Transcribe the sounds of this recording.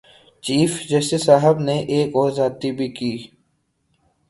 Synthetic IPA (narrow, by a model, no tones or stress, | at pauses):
t͡ʃiːfd͡ʒɛːsesaːɦəbneʔeːkɔːzaːt̪ibʱikiː